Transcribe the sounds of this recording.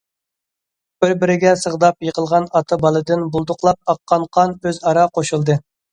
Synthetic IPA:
b̥ɪɾbɪɾɪɡʲɛsəʁd̪ɑpjəqʰəlˠʁɑnɑt̪ʰɑbɑlˠɨd̪ɨnbulˠd̪ʊqlˠɑp̚ɑqːɑnqʰːɑnøzɑɾɑqʰoʃulˠd̪ɨ

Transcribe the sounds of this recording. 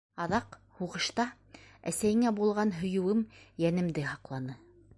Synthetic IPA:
ɑðɑq | huʁɤ̆ʃt̪ɑ | æ̰sæjɘ̆ŋæbulˠʁɑnɦɵ̆jɵ̆wɘmjænɘ̆md̪ɘhɑqlˠɑnɤ

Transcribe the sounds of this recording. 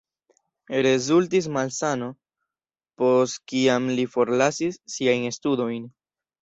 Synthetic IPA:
ɾe̞zultis̬malsano̞ | po̞stkiamlifo̞ɾlasisːiajnstudo̞jn

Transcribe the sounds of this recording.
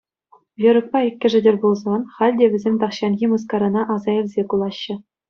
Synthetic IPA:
jɤ̆ɾɤ̆k̚pɑikʲːɘ̆ʐɘ̆dʲerʲbulˠzɑnχɑlʲdʲeʋʲɘ̆zʲemʲt̪ɑχɕɑnɣʲimɤs̬kɑɾɑnɑʔɑzɑĕlʲzʲekulˠɑɕːɘ̆

